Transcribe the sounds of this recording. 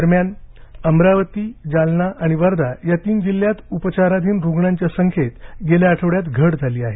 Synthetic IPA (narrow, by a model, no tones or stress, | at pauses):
əɾmjanəmɾaʋət̪iːd͡zalnaʔaɽ̃iʋəɾd̪ajat̪iːnd͡ʑilːjat̪upət͡ɕaɾad̪ʱiːnɾuɡɳaɲt͡ɕjasəŋkʰet̪ɡeljaaʈʰəʋɽjat̪ɡʱəɽd͡zʱaliːaɦe